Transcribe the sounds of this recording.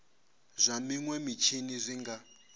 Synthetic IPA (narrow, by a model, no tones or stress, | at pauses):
zʷamiŋwɛmit͡ʃʰinizʷiŋɡa